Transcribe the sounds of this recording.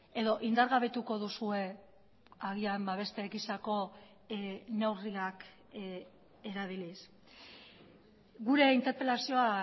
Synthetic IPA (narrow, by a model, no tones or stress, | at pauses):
e̞ðo̞ʔind̪aɾɣaβ̞e̞t̪uko̞ðusue̞ | aɣiambaβ̞e̞st̪e̞ɣisako̞ | newriak | e̞ɾaðilis | ɡuɾe̞int̪e̞ɾpe̞lasio̞a